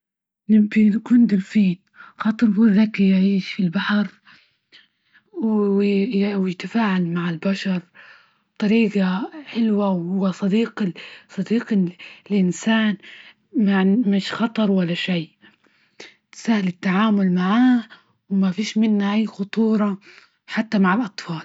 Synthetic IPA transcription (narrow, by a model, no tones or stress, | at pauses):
nɪbinkuːnd̪ɪlfiːn | xɑt̪ˤɾˤbuðakːijʕiːʃfilbaħɑɾ | w | wjɪt̪afaːʕalmaʕɪlbaʃɑɾˤ | t̪ˤɑɾiːɡaħɪlwawhʊwːasˤɑd̪iːqsˤɑd̪iːqlʔɪnsaːn | mamɪʃxɑt̪ˤɑɾˤwalːaʃaj | sahɪlɪt̪ːaʕaːmʊlmaʕaː | wmafiːʃmɪnːaʔajːxʊt̪ˤuːɾˤɑ | ħat̪ːamaʕɪlʔɑt̪ˤfɑːl